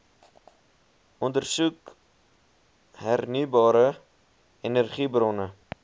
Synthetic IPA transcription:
ɔndərsuk | ɦærnybɑːɾə | enərχibrɔnə

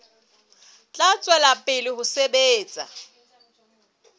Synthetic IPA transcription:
t͡ɬʼat͡sʼwɛlapʼɪlɪhʊsebeːt͡sʼa̰

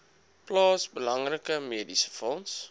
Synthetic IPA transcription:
plɑːsbəlɐŋrəkəmiədisə̥fɔns

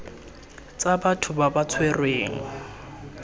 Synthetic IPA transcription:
t͡sʼabatʰʊbabat͡sʰwɛrweːŋ̩

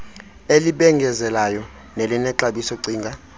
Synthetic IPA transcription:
eliɓɛŋɡʱɛzɛlajɔ | nelinɛǁaɓisɔǀiːŋɡʱa

